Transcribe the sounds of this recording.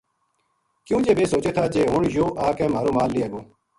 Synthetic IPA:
kjũːd͡ʒeːbeːsoːt͡ʃeːt̪ʰaːd͡ʒeːɦʊɳjoːʔaːkɛ̃ːmaːɾoːmaːlːiːəɡoː

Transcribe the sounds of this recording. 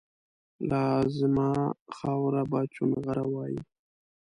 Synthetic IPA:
lɑzmɑxɑwɾabɑt͡ʃumeɣaɾawɑji

